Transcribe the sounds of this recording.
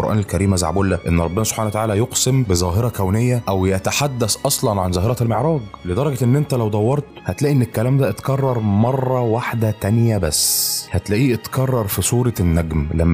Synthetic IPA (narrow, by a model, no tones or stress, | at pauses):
oɾʔæːnelkæɾiːmʔæza̰ʕ̰buːlːæʔenːɾˤɑbːenæso̥b̥ħanæwæt̪aʕaːlæjoqsembezæːɦeɾˤɑkæwnejːæʔæwjæt̪aħad̪ːæsʔɑsˤlɑnʕanzˤæːɦeɾˤɑlmeʕɾˤɑːɡled̪ɑɾˤɑɡæʔenːʔent̪ælæwd̪ˤɑwːɑɾˤt̪hæt̪læːʔenːekːælæːmd̪æʔt̪kɑrˤːɑɾˤmɑrˤːɑwaħd̪æt̪ænjæbæsːhæt̪læʔiːʔt̪kɑrˤːɑɾˤfisˤuːɾˤɑnːæɡmlæmː